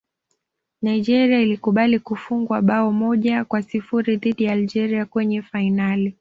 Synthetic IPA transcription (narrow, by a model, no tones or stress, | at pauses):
naiʄɛɾiailikuɓalikufuŋɡwaɓaɔmɔʄakwasifuɾiðiɗijaːld͡ʒɛɾiakwɛɲɛfainali